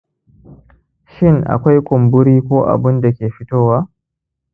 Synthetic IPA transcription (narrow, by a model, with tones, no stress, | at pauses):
ʃɪ˦ŋʔa̰˨kʷa˦jkʷʊ˨mbʊ˦ɾiː˦kʷoː˦ʔa̰˨bʊ˦nda˨kʲeː˨ɸɪ˦toː˦waː˦